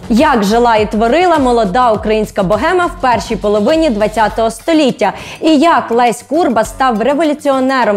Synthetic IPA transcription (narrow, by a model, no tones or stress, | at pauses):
jɐkʒelˠɑit̪ʋɔɾɪlˠɐmɔlˠɔd̪ɑukɾɐjinʲsʲkɐbɔɦɛmɐwpɛrʃijpɔlˠɔʋɪnʲid̪ʋɐt͡sʲːat̪ɔɦɔst̪ɔlʲitʲːɐ | ijɐklˠɛsʲkurbɐst̪ɑwreʋɔlʲʊt͡sʲiɔnɛɾɔm